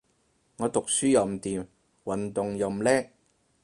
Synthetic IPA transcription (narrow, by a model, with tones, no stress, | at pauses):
ŋɔː˨˧t̪ʊ˨k̚syː˥jɐ˨˩wm̩˨˩t̪iː˨m | wɐ˨nt̪ʊ˨ŋjɐ˨˧m̩˨˩lɛː˥